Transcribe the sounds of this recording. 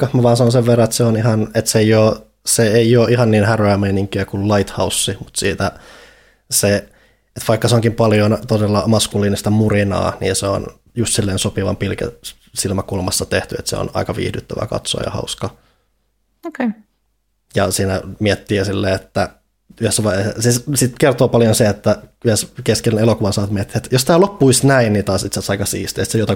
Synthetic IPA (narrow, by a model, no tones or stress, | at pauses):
ɑmæʋɑːnsɑnonseʋʋerːɑet̪seonihɑnet̪sejoː | seeioːʔihɑnniːnhæroæmeiniŋkyækullɑit̪hɑusːimut̪siːt̪æ | se | et̪ʋɑikːɑseoŋkimpɑljont̪odelːɑmɑskulːˑiːnist̪ɑmurinɑ̰ːnḭːnseo̰n | just̪silːeːnsopiʋɑ̰mpilkæ̰ | silmækulmɑsːɑt̪eht̪yḛt̪sḛo̰nɑ̰ikɑʋḭːhdyt̪ːæʋæ̰kɑ̰t̪so̰ːjɑ̰hɑ̰uskɑ | oke | jɑsiːnæmiɛt̪ːiːæsilːeːet̪ːæ | yhesːæʋɑesissit̪kert̪oːpɑljonseet̪ːæyhæskeskelːenelokuʋɑnsɑːt̪miet̪ːi̥et̪jost̪æːlopːuisnæinnit̪ɑːsit̪sesɑikɑsḭːst̪eːst̪sejot̪ɑ